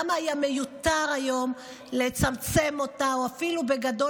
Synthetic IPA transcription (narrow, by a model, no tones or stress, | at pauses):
maːjame̞jut̪aʁajo̞m | le̞t͡samt͡se̞mo̞t̪aoafilube̞ɡado̞